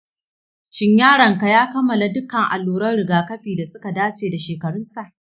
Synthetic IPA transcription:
ʃɪ˦ɲjaː˦ɽɐ˨ŋka˨jaː˦kɐ˦mːɐ˨la˨dʊ˦kɐ˨ŋʔa̰˨lːuː˨ɾɐ˦rɽɪ˨ɡaː˨kɐ˦ɸiː˨da˨sʊ˦ka˨daː˦t͡ʃeː˨da˨ʃeː˨kɐ˨ɽʊ˦nsa˨ʔ

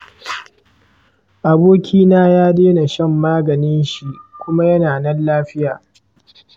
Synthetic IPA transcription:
ʔa˨boː˦kʲiː˦naː˦jaː˦deː˦na˨ʃɐ˦˨mːaː˦ɡɐ˨nɪ˦nʃi˦kʷʊ˦ma˦jɐ˦naː˨nɐ˦nlaː˦ɸɪ˦jaː˨

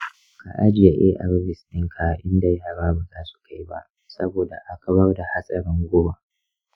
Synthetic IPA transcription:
ka̰˨ʔa˦d͡ʒɪ˨ja˨ʔeː˦ʔa̰˨ɾbɪ˨sɗɪ˦ŋkʰa˨ʔɪ˦nda˨jaː˦ɽaː˦ba˨zaː˦su̥˨ka˦jba̰˦ʔ | sɐ˦boː˨da˨ʔa˦ka˨bɐ˦rda˨ha˦sʼɐ˨ɾɪ˦ŋɡʷʊ˦ba˨

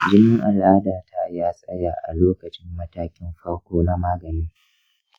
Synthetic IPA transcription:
d͡ʒɪ˦mɪ˦ŋʔa˨lʔaː˦daː˨tʰa˦jaː˦sʼɐ˦jaː˨ʔa̰˨loː˦kɐ˨t͡ʃɪ˦mːɐ˦taː˦kʲɪ˦mɸɐ˦ɽkʷoː˦na˦maː˦ɡɐ˨niː˦

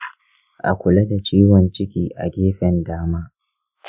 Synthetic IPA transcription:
ʔa̰˨kʷʊ˨lɐ˦da˨t͡ʃiː˦wɔ˨nt͡ʃɪ˦kʲiː˦ʔa̰˨ɡʲeː˦ɸɛ˨ndaː˦maː˦

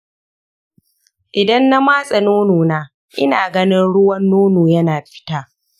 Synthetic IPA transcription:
ʔɪ˨dɐ˦nːa˦maː˦sʼɐ˨noː˦noː˨naː˦ | ʔɪ̰˦naː˨ɡɐ˦nɪ˦nɽʊ˦wɐ˦nːoː˦noː˨jɐ˦naː˨ɸɪ̥˦taː˦

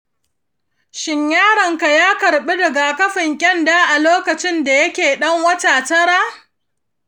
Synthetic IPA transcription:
ʃɪ˦ɲjaː˦ɽɐ˨ŋka˨jaː˦kɐ˨ɽɓi˦dɐ˨ɡa˨kɐ˦ɸɪ˨ŋkʲʼɛ˦ndaː˦ʔa˨loː˦kɐ˨t͡ʃɪ˦nda˨jɐ˦kʲeː˨ɗɐ˦ŋwɐ˦taː˨tɐ˦ɽaː˦

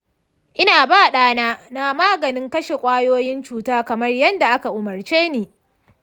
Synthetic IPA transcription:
ʔɪ˦naː˨baː˦˨ɗaː˦naː˦na˦maː˦ɡɐ˨nɪ˦ŋkɐ˦ʃe˨kʷʼaː˦joː˦jɪ˦nt͡ʃuː˦taː˦kɐ˨mɐ˦rjɐ˦nda˨ʔa˦ka˨ʔʊ˨mɐ˨rt͡ʃeː˦neː˨

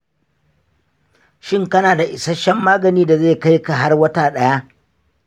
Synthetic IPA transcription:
ʃɪ˦ŋkɐ˦naː˨da˨ʔɪ˨sa˦ʃɐ˦mːaː˦ɡɐ˨niː˦da˨ze˦˨ka˦jka˨ɦa˦rwɐ˦taː˨ɗɐ˦ja˦

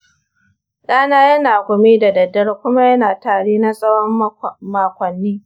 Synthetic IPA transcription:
ɗaː˦naː˦jɐ˦naː˨kʷʊ˨miː˦da˨dɐ˨dːɐ˦rkʷʊ˦ma˦jɐ˦naː˨taː˨ɽeː˦na˦sʼɐ˦wɔ˦mmaː˨kʷɐ˨nːiː˦

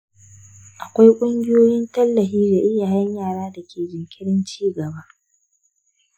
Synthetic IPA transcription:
ʔa˨kʷa˦jkʷʼʊ˦ŋɡʲɪ˦joː˦jɪ˦ntɐ˦lːɐ˨ɦiː˦daː˨ʔɪ˦ja˨jɐ˦ɲjaː˦˨ɽaː˦da˨kʲʰeː˨d͡ʒɪ˨kʲɪ˦ɽɪ˦nt͡ʃiː˦ɡɐ˨ba˦

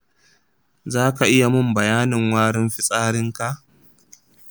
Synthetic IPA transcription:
zaː˦ka˨ʔɪ˦ja˨mʊ˦mbɐ˨jaː˦nɪ˨ŋwaː˦ɽɪ˦mɸɪ˦sʼaː˦ɽɪ˦ŋka˨ʔ

